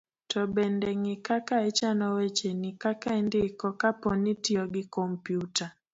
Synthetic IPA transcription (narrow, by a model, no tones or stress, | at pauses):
tʰɔbɛndɛŋɪkakaɛt͡ʃanɔwɛt͡ʃenikakaɛndɪːkɔkapɔnitiɔɡɪkɔmpjuta